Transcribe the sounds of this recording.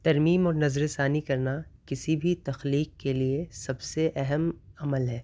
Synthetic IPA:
t̪ɐɾmiːmɔːɾnɐzɾesaːnikɐɾnakɪsibʱit̪ɐxliːqkːeliesɐbseʔɛɦɛmɐməlɦɛː

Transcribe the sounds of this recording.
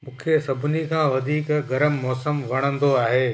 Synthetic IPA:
mũːkʰesɐbʱɪnikʰãːʋɐd̪ʱiːkɡɐɾəmːɔːsəmʋɐɽ̃ə̃nd̪oaːɦeː

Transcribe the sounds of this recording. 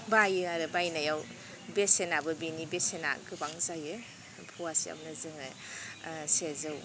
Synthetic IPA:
bajɯaɾɯbajnajaw | besenabɯbenibesena̰ɡɯbaŋzajɯ | pʰɔwasḭa̰mnɯzɯŋɯ̰ | sezɯw

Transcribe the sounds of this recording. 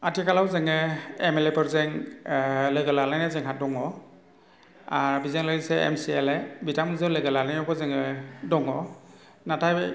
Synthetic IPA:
atʰikalawzeŋɯemelepʰɯɾzeŋ | lɯɡɯlalajnazeŋɦadɔŋɔ | abizeŋlaseḛmsielebitʰamɯzɯwlɯɡɯlalajɔbɔzeŋɯdɔŋɔ | natʰaj

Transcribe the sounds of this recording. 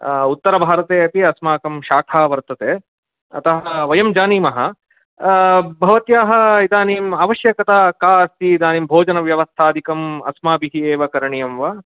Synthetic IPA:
ut̪ːɐɾɐbʱaːɾɐt̪eːɐpiɐsmaːkɐmʃaːkʰaːʋɐɾt̪ɐt̪eː | ɐ̰t̪ɐɦɐʋɐjɐmd͡ʒaːniːmɐɦɐ̰̆ | bʱɐʋɐt̪jaːɦɐ̆id̪aːniːmaːʋɐʃjɐkɐt̪aːkaːɐst̪iːd̪aːniːmbʱoːd͡ʒɐnɐʋjɐʋɐst̪ʰaːd̪ʱikɐmɐ̰smaːbiɦieːʋɐkɐɾɐɳijɐmʋɐ

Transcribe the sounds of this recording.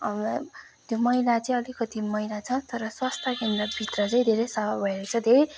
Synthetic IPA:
t̪jomʌilat͡sʌĩʌlikʌt̪ʰimʌjlat͡sʰʌt̪ʌɾʌswast̪ʰakend̪rʌbʱit̪rʌt͡sʌĩd̪ʱeɾejsʌbabʱʌeɾot͡sʰʌd̪ʱeɾe

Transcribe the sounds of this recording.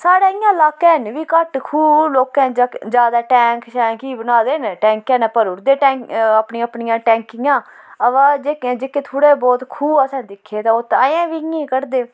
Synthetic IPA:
saːɽaːɪjãːlaːkɛːnʋiːkəʈkʰuːloːkɛ̃ːd͡ʒaːd̪aːʈɛ̃ːŋkʃɛːkiːbənaːd̪eːnʈɛ̃ːŋkɛ̃ːnːpəɾʊɾd̪eːʈɛ̃ːəpniːãːəpnijãːʈɛ̃ːŋkɪjãː | əʋad͡ʒeːkːd͡ʒeːkeːt̪ʰoːɽeːbɔːt̪kʰuːbasɛ̃ːnd̪ɪkʰːeːt̪ãːot̪aːẽːʋiːŋĩːkəɾd̪eː

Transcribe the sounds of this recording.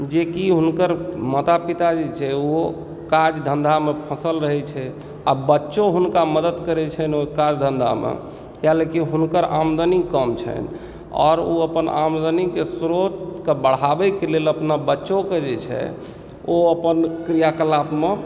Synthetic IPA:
d͡ʒekiɦunkəɾmət̪apit̪ad͡ʒet͡ʃʰɛo | kad͡ʒd̪ʱənd̪ʱamepʰəsəlɾəɦɛt͡ʃʰɛ | a̰bətːʃoɦunkaməd̪əd̪kəɾɛt͡ʃʰɛnokad͡ʒd̪ʱənd̪ʱa̰mḛ | kjalekiɦunkəɾa̰md̪ənikəmt͡ʃʰə̰n | ɔ̰ɾoəpəna̰md̪ənikesɾot̪kebəɽ̤abɛkeleləpnabətːʃoked͡ʒet͡ʃʰɛ̰ | oəpənkɾijakəlapme

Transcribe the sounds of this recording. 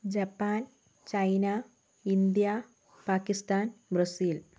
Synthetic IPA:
d͡ʑɐpːaːn | t͡ɕɐjna | ind̪ija | paːkːist̪aːnbɾɐsiːl

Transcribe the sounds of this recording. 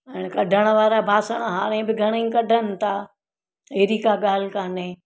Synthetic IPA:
ɛ̃ːñkɐɖʱəɽ̃ʋaːɾabʱaːsəɽ̃ɦaːɾ̃ẽbɪɡʱɐɽ̃ẽkɐɖʱənɪ̆t̪ʰaː | eːɾiːkaɠaːl̤ɪkaːnẽ

